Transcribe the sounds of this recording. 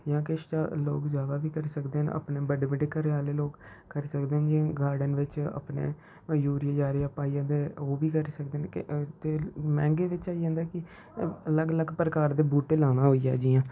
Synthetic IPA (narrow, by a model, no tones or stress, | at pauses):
jãːkɪʃt͡ʃaːlo̰ːkd͡ʒaːd̪aːʋiːkəɾisəkd̪eːnə̰pneːbəɖeːbəɖeːkəɾeaːleːloːɡkəɾiːsəkd̪eːnd͡ʒ̃ɡaːɾɖənʋɪt͡ʃə̰pnḛː | juːɾijeːd͡ʒaːɾeːaːpaːiãːd̪eːoːʋiːkəɾiːsəkd̪eːnt̪eːmɛ̰̃ːŋɡeːʋɪt͡ʃaːid͡ʒãːnd̪aːkɪ | ələɡələɡpəɾəkaːɾd̪eːbuːʈelaːnaːɦoːija̰ːd͡ʒiːãː